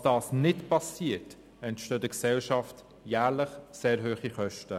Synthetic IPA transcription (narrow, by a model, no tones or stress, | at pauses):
d̥ɑːsnɪtpɑsiət | ɛntʃtøːdəksɛlʃɑft | jæːɾləχseːɾɦøːχiχœʃtə